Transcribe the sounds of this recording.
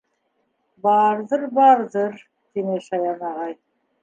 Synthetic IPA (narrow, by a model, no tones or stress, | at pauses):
bɑɾðɤɾbɑɾðɤɾ | t̪inɘʃɑjɑnɑʁɑj